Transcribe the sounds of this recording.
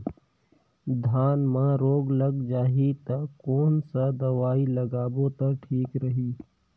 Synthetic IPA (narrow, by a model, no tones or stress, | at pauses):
d̪ʱaːnmãɾoːɡlɐɡd͡ʒaːɦit̪ɐkoːnsad̪ɐʋaːilɐɡaːbot̪ɐʈʰiːkɾəɦiː